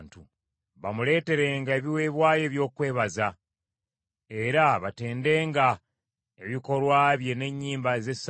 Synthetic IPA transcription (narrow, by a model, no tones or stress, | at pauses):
ntu | βamule̞ːte̞ɾe̞ːŋɡae̞βiwe̞ːβwaːje̞ːβjo̞ːkwe̞ːβaza | e̞ɾaβate̞ːnde̞ːŋɡa | e̞βiko̞lwaːβje̞ne̞ɲːiːmbaze̞s